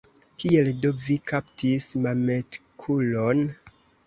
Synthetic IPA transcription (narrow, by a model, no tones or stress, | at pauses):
kie̞ldovikʰaptismame̞tkʰulon